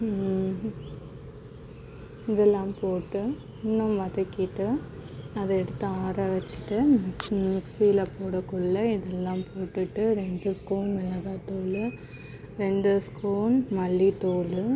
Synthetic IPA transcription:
ɪðɛlːãːpoːʈːɯ | ɪnːɐmʋɐðɐkːɪʈːɯ | ɐðɐɛɽɯt̪ːɯaːɾɐʋɐt͡ʃːɪ̥ʈːɯmmɪksilɐpoːɽɐkʊɭːɐɪðɛlːãːpoːʈːɯʈːɯɾɛɳɖɯskoːnʋɛlɐðaːt̪oːlɯ | ɾɛɳɖɯskoːnmɐlːit̪oːlɯ

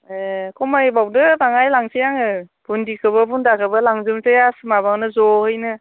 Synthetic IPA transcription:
ekɔmajbawdɯbaŋajlaŋsijaŋɯbundikʰɯbɯbundakʰɯbɯlaŋzɯmtɯjasɯmabaŋnɯzɔhɯjnɯ

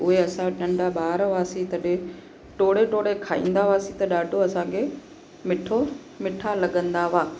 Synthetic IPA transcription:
ʊɦeɐsãɗɐ̃ɳɖʱaɓaːɾʋaːsĩt̪ɐɗẽ | ʈoːɽeʈoːɽekʰaːḭ̃ːn̆d̪aʋaːsĩt̪ɐɗaːɖʱoɐsãkʰe | mɪʈʰo | mɪʈʰalɐɠə̃nd̪aʋaː

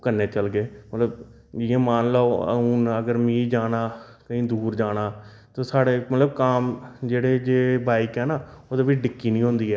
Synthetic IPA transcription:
kənːeːt͡ʃəlɡeːmət̪ləb | ɪãːmaːnlaːo̰uːnəɡəɾmĩːd͡ʒaːnaː | kəĩːd̪uːɾd͡ʒaːɽaː | t̪oːsaːɽeːmət̪ləbkaːmd͡ʒeːɽeːd͡ʒeːbaːikɦɛːnaːoːd̪aːʋiːɖɪkːiːnĩːɦõnd̪iːɦɛː

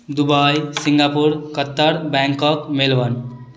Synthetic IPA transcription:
d̪ubajsiŋɡapuɾkət̪ːəɾbɛ̃ŋkəkmelʋən

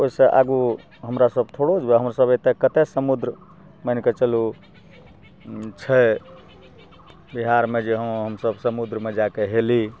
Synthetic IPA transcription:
oisẽʔa̰ɡu | ɦəmɾasəb̚t̪ʰoɽod͡ʒbeɦəmɾasəbet̪ekət̪ɛsəmud̪ɾ | mənket͡ʃəlu | t͡ʃʰə | biɦaɾmed͡ʒeɦəmɦəmsəbsəmud̪ɾəmed͡ʒakeɦeli

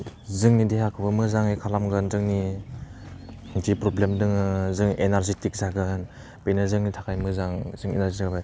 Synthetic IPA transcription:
zɯŋnideɦakʰɯbɯmɯzaŋikʰalamɡɯnzɯŋni | ɯŋtipɾoblemdɯŋɯzɯŋenaɾzitik̚zaɡɯn | bejnazɯŋnitʰakʰajmɯzaŋzɯŋḛnaɾzitʰabaj

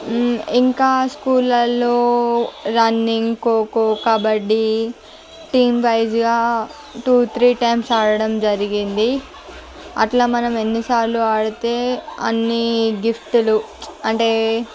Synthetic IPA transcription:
iŋkaːskuːlɐlːoːɾɐnːiŋɡkoːkoːkɐbɐɽːi | ʈiːmʋɐjd͡ʒɡaː | ʈuːt̪ʰɾiːʈɐjmsaːɽɐɽɐmd͡ʒɐɾiɡind̪i | ɐ̰ʈlaːmɐnɐme̞nːisaːɾluaːɽut̪e̞ːɐ̰nːiɡifʈulu | ɐɳʈe̞ː

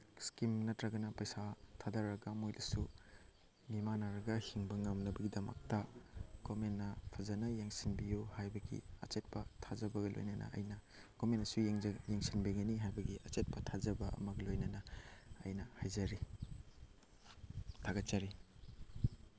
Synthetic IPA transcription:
skimnɐtɾɐɡɐnɐpɐjsatʰadɐɾːɐɡɐmojlʔɐsu | mimanaɾɐɡɐhiŋbɐŋɐmnɐbɐɡidɐmɐ̰k̚tɐɡ̥omenːɐpʰɐzɐnɐjeŋsinbijuhajbɐɡḭɐ̰t͡ʃet̚pɐtʰad͡ʒɐbɐɡɐlo̰jnɐnʔɐ̰ʔɐ̰jnɐ | ɡ̥omentɐsuŋjeŋsinbiɡɐniɦajbɐɡiʔɐt͡ʃet̚pɐtʰazɐbɐʔɐ̰mɐɡɐlojnɐnɐ̰ːjnɐhajzɐɾi | tʰaɡɐt̚t͡ʃɐɾi

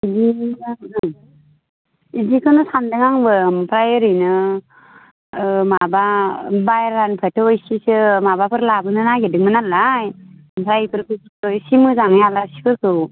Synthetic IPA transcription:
idi | idikʰɯnɯsandɯŋaŋbɯmpʰɾajeɾɯnɯ | mababajɾːanpʰetʰɯɔjsisɯmabapʰɯɾlabɯnɯnaɡedɯŋmɯnalajmpʰɾajpʰɯɾkɯsiɯjsimɯzaŋɯjalasi̥kʰɯɾkʰɯw

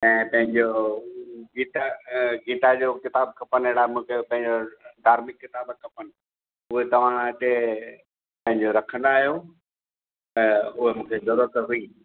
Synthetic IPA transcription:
ɛ̃ːpɐ̃ɦɪ̃ɲd͡ʑo | ɡiːt̪aɡiːt̪ad͡ʑoːkɪt̪aːbkʰɐpəneɽamũːkʰepɐ̃ɦɪ̃ɲd͡ʑoɖaːɾmɪkːɪt̪aːbkʰɐpənɪ̆ | ʊɦet̪ɐʋ̤ãɪɗe | pɐ̃ɦɪ̃ɲd͡ʑoɾɐkʰənaːɦijo | t̪ɐʊɦemũːkʰezɐɾuːɾət̪ɦuiː

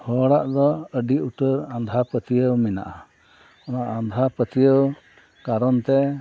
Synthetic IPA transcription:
hɔɽaʔd̪ɔəɖiuʈəɾãnd̪ʱapət̪ijəwmina̰ʔa | ɔnaʔand̪ʱapət̪ijəw | kaɾɔnt̪ɛ

